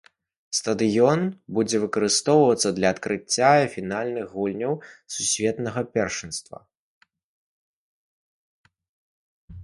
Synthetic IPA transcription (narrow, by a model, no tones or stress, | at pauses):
st̪ɐd̪ɨjɔnbud͡zʲɛvɨkɐɾɨst̪ɔwvɐt̪sːɐd̪lʲɐːt̪kɾɨt͡sʲːafʲinalʲnɨxɣulʲnʲɐwsusʲvʲɛt̪nɐɣɐpʲɛrʂɨnst̪vɐ̰